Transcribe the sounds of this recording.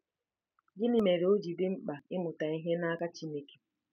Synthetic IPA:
d͡ʒɪ˦ni˨me˨ɾe˨o˦d͡ʒi˨dɪ˦ŋ͡m̩˦k͡pa˨ɪ˦mʊ˨ta˨i˦ɦe˦na˦ka˦t͡ʃi˦ne˦ke̥˨

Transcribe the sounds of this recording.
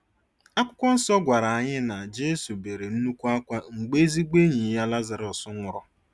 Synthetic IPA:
a˦kʷʊ˦kʷɔ˦n̩˦sɔ˦ɡʷa˨ɾa˨a˨ɲɪ˦na˨d͡ʒe˦su˨be˨ɾe˨n̩˦nu˦kʷu˦a˦kʷa˦ŋ͡m̩˨ɡ͡be˦zi˦ɡ͡be˦ɲi˨˦ja˦la˦za˨ɾɔ˨sʊ˦ŋʷʊ˨ɾɔ˨

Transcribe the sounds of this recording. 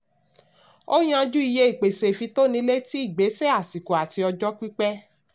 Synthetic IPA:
o˦j̃ã˧d͡ʒu˦i˨˧je˦i˦˨k͡pe˨se˨fi˧to˦nĩ˧˦le˦ti˦i˦˨ɡ͡be˨˦sɛ˦a˦˨si˨ko˨a˨ti˧ɔ˧d͡ʒɔ˦k͡pi˦k͡pɛ˦

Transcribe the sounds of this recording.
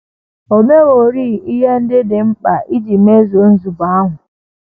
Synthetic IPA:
o˨me˦wo˨ɾiː˦˨i˦ɦe˦n̩˦dɪ˦dɪ˨m̩˦k͡pa˨ʔi˦d͡ʒi˨me˦zo˨˦n̩˦zu˨ba˨˦a˦ɦʊ˨

